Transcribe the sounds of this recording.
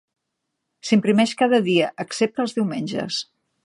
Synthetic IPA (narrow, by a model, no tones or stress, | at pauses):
simpɾimɛʃkað̞əðiəʔəksep̚t̪əlˠzðiwmenʲd͡ʒə̰s